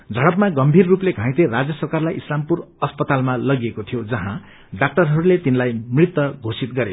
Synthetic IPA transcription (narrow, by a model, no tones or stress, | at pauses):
d͡zʱʌɽʌpmaɡʌmbʱirːupleɡʱãj̃t̪erad͡zjʌsʌrkarlajislampurʌspʌt̪almalʌɡiekot̪ʰijod͡zʌɦã | ɖak̚ʈʌrɦʌɾulet̪inlajmrit̪wʌɡʱosit̪ɡʌɾe